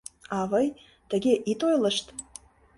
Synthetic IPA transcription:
ɑvəj | t̪ə̆ɣʲeʔit̪ojlə̆ʃt̪

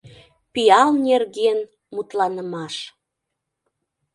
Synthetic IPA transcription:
piɑlnerɣen | mut̪lɑnəmɑʃ

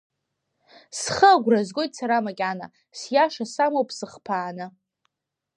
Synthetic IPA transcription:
sχəɡʷrazɡojtʼsaɾamakʲʼana̰ | sjaʂasamowpʼʰsɨχpʰaːnɨ

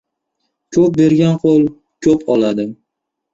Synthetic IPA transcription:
kʲʰɵp̚be̞ɾɡʲanqʰolˠ | kʲʰɵpʰɒlˠad̪ɪ

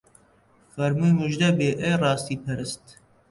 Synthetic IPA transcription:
fɐɾmujmuʒd̪ɐbeːʔejrɑːst̪iːpʰɐɾɨst̪

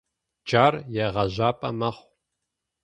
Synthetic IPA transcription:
d͡ʒaːrjɛʁɐʑaːpʼɐmɐχʷ

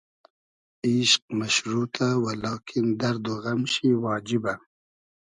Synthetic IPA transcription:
iʃq̚maʃɾuːt̪ʰawalɑːkʰind̪ɐɾd̪oɣamʃiwɑːd͡ʒiba

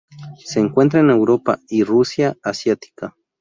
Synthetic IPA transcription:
seːŋkwent̪̬ɾaenewɾopa̰irusjaasjat̪i̥ka

